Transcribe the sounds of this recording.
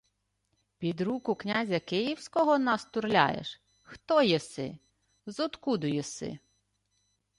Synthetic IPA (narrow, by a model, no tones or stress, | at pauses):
pʲid̪ɾukʊknʲazʲɐkɪjiwsʲkɔɦɔnɐst̪ʊɾlʲa̰jḛʃ | xt̪ɔjɛsɪ̰ | zɔd̪kud̪ʊjɛsɪ̰